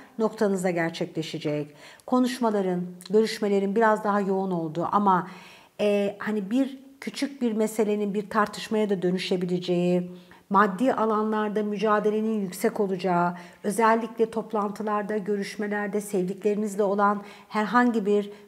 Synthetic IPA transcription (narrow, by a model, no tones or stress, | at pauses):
no̞kt̪ʰanɯzaɟæɾt͡ʃʰɛclʲe̞ʃid͡ʒɛckʰo̞nuʃmalˠaɾɯnɟø̞ɾyʃme̞lʲe̞ɾinbiɾazd̪aɦajo̞uno̞lˠd̪uʔa̰ma | ɛːhanibiɾcʰyt͡ʃʰyc̚biɾmese̞lʲe̞ninbiɾt̪ʰaɾt̪ʰɯ̥ʃmajad̪ad̪ø̞nyʃe̞bilʲed͡ʒe̞ji | mad̪ːiːʔalˠanlˠaɾd̪amyd͡ʒaːd̪e̞lʲe̞ninjycsɛco̞lˠud͡ʒaːɯ | ø̞zɛlʲːiclʲɛt̪ʰo̞plˠant̪ʰɯlˠaɾd̪aɟø̞ɾyʃme̞lʲæɾd̪ɛsɛvlʲiclʲe̞ɾinizlʲɛo̞lˠan | hæɾɦaɲɟibiɾ